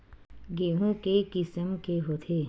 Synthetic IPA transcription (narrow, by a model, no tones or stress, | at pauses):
ɡeːɦõkekɪsəmkeɦoːt̪ʰeː